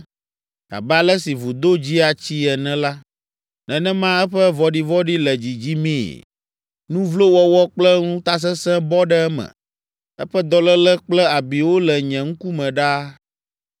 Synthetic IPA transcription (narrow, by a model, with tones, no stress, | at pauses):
a̰˨bɛ˦a˨lɛ˦si˨vu˨d̪o˦d͡ʑi˦a˨t͡ɕi˦ɛ˨nɛ̃˦la˦ | nɛ̃˨nɛ̃˦mã˦ɛ˦ɸɛ˦vɔ˦ɖi˦vɔ˦ɖi˦lɛ˨d͡ʑi˨d͡ʑi˦mḭ̃˦˨ | nũ˦vlo˦wɔ˦wɔ˦k͡plɛ˦ŋũ˦t̪a˦s̬ɛ˦sɛ̃˦bɔ˦ɖɛ˦ɛ˦mɛ̰̃˨ | ɛ̰˦ɸɛ˦d̪ɔ˦lɛ˦lɛ˦k͡plɛ˦a˨bi˨wo˦lɛ˨ɲɛ̃˨ŋ̩̃˦ku˦mɛ̃˨ɖa˦